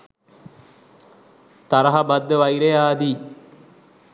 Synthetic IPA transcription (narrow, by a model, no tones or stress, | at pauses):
t̪aɾəɦabad̪ːəʋaiɾejaːd̪i